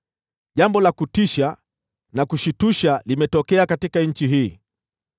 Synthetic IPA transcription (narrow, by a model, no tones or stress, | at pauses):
ʄambɔlakutiʃa | nakuʃituʃalimɛtɔkɛakatikaɲ̩t͡ʃiɦiː